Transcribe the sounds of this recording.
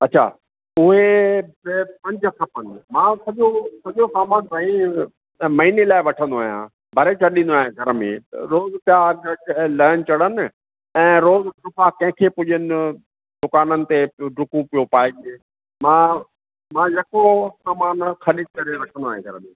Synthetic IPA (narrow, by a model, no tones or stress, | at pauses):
ɐtːʃʰa̰ː | ʊɦebɪpɐ̃ɲd͡ʑsʰɐpɐ̃ɲd͡ʑmãːsɐʄosɐʄosaːmaːnt̪aːɦĩ | mɐɦinelaːɪʋɐʈʰə̃nd̪oaːɦjã̰ | bʱɐɾet͡ɕʰɐɗĩn̆d̪oaːɦjẽɡʱɐɾmḛ̃ɾoːzpjaɡɐlɐːənɪ̆t͡ɕɐɽən̆ | ɛ̃ːɾoːzɖʊfʰakɐ̃ɦɪ̃kʰepʊʄənɪ̆ | d̪ʊkaːnənɪ̆t̪eɖʊkũpijopaːɪd͡ʒe | mãː | mãːjɐkosaːmaːnxɐɗid̪̚kɐɾeɾɐʈʰə̃nd̪oaːɦẽɡʱɐɾmẽ